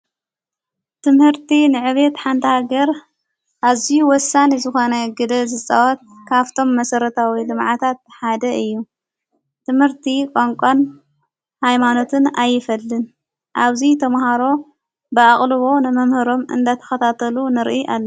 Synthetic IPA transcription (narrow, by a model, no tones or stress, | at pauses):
t̪ʰɨmhɨɾt̪ʰinɨʕɨβet̪ħant̪ʰɐhaɡɐɾ | ʔaβzijuwɔsanizɨxo̞nɐɡɨd̪ɐzɨt͡sʼa̰wɐt̪̚kʰaβt̪ʰo̞mːɐsɐɾɐt̪ʰawid̪ɨmʕat̪ʰat̪̚ħad̪ɐʔɨjːu | t̪ʰɨmhɨɾt̪ʰikʼaŋkʷʼan | hajmano̞t̪ʰɨnajːɪfɐlːɨn | ʔaβzit̪ʰɐmhaɾo̞ | bɨaχʼlɨβo̞nɨmɐmhɨɾo̞mʔɨ̰nd̪at̪ʰɐ̥xɐt̪ʰat̪ʰɐlunɨɾʔiʔalːɐ